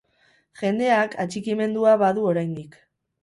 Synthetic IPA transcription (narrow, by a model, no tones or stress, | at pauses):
ʝe̞nd̪e̞akʰat͡ʃikime̞nd̪uaβaðuo̞ɾajnd̪ik